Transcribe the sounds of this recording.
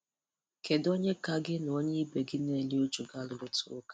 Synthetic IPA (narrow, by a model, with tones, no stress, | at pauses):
ke˨do˦ɲe˦ka˦ɡɪ˦n˨o˦ɲe˦i˦be˨ɡɪ˦ne˨li˦o˦t͡ʃu˨ɡa˦lʊ˨ɾʊ˦tʊ˦ʊ˦kḁ˦